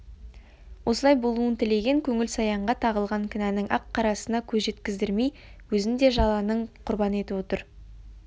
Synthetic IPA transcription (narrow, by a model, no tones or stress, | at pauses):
wʔo̞səlˠɑjbo̞lˠuənt̪ʰɪle̞ɡʲe̞ŋkʲʰɵŋɪlsɑjɑɴʁɑt̪ʰɑʁəlˠʁɑŋkʲʰɪnænɪŋʔɑqʰːɑɾɑsənɑkʲʰɵzʒe̞t̪kʲɪzd̪ɪɾmej | wɵzɪnd̪e̞ʒɑlˠɑnəɴqʰʊɾbɑnəe̞t̪ɪpwo̞t̪əɾ